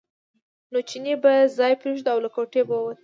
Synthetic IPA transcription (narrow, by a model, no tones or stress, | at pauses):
not͡ʃinebazɑjpɾeʒd̪awlakoʈebawwat̪